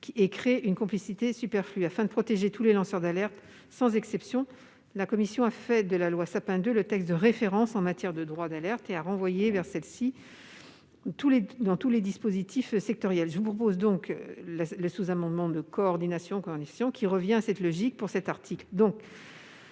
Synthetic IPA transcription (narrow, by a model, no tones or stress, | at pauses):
kʲekχeʔynkɔ̃plisit̪esypɛʁflyafɛ̃d̪əpχɔt̪eʒet̪ulelɑ̃sœʁd̪alɛʁt̪ | sɑ̃zɛksɛpsjɔ̃ | lakɔmisjɔ̃afɛd̪əlalwasapɛ̃d̪ølət̪ɛkst̪̚d̪əʁefeʁɑ̃sɑ̃mat̪jɛʁd̪əd̪ʁwad̪alɛʁt̪eaʁɑ̃vwajevɛʁsɛlsi | t̪uled̪ɑ̃t̪uled̪ispozit̪ʰifsɛk̚t̪ɔʁjɛlʒəvupχɔp̬ozd̪ɔ̃klləsuzamɑ̃d̪mɑ̃d̪əkɔːʁd̪inasjɔ̃kɔʁd̪inasjɔ̃kʲiʁəvjɛ̃asɛt̪lɔʒik̚puʁsɛt̪aʁt̪ʰikld̪ɔ̃k